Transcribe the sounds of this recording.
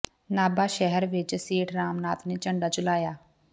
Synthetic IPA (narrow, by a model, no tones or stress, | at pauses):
naːbaːʃɛɦɛɾʋɪt͡ʃseːʈʰɾaːmnaːt̪neːt͡ʃə̃ɳɖaːt͡ʃʊlaːjaː